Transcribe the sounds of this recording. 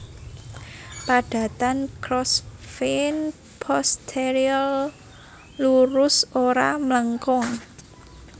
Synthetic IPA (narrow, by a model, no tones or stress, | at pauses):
paɖ̥ä̤t̪ankɾɔsfin | pʰɔst̪ʰeɾial | luɾʊsoɾamləŋkɔŋ